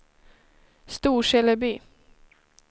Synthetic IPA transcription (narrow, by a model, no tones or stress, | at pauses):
st̪uːʂɛləbyː